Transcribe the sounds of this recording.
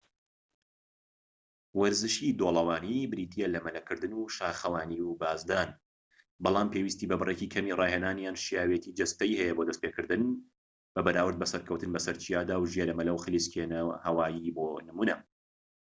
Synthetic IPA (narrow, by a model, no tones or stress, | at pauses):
wɐɾzɨʃid̪oːlˠɐwaːnibɨɾiːt̪ʰijɛlɐmɐlɐkɨɾd̪ɨnuʃaːxɐwaːniwbaːzd̪aːn | bɑlˠaːmpʰewist̪iːbɐbɨrecikʰɐmiːrˤɑːhenaːnjaːnʃijaːwet̪ʰiːd͡ʒɐst̪ɐjhɛjɛboːd̪ɐst̪peːkɨɾd̪ɨn | b̥ɐbɐɾaːwɨɾd̪̚bɐsɐɾkʰɐwt̪ɨnbɐsɐɾt͡ʃʰijaːd̪aːwʒijeɾɐmɐlɐwxɨliskʰenɐhɐwaːjiboːnɨmuːnɐ